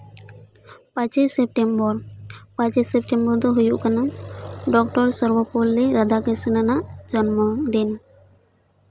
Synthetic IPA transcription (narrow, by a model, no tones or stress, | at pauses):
pãt͡ʃisep̚ʈembɔɾpãt͡ʃisepʈembɔɾd̪ɔɦujuʔkanaɖɔkʈɔɾsɔɾbɔpɔlːɛɾad̪akesinanaʔd͡ʒɔnmɔd̪in